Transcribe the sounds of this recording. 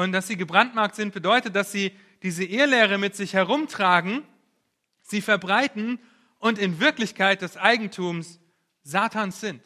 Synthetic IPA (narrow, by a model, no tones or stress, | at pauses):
ʊntd̥asz̥iːɡəbʁantmaɐk̚tz̥ɪnt̚b̥ədɔʏtət̚d̥asz̥iː | d̥iːzəʔeːəlɛːʁ̞əmɪtz̥ɪçhɛʁʊmtʁ̥aːɡŋ̩ | z̥iːfɛɐbʁaɪtn̩ | ʔʊntɪnvɪɐklɪçkʰaɪt̚d̥ɛsʔaɪɡŋ̩tʰuːms | z̥aːtʰaːnsz̥ɪnt